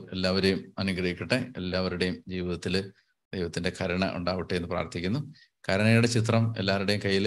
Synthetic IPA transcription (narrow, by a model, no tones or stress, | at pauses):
e̞lːaːʋɐɾejumɐnukrɐɦikʲːiʈːeelːaːʋɐɾuɽejumd͡ʑiːʋiðɐt̪ːil | d̪̥ejʋɐt̪ːinde̞kʰɐɾɐɳɐ̰ʔṵɳɖaːʋiʈːejenːɨpra̰ːrt̪ʰikʲːunːu | kʰɐɾɐɳɐjuɽe̞t͡ɕit̪̬rɐme̞̰lːaːɾuɽe̞jumkɐjːil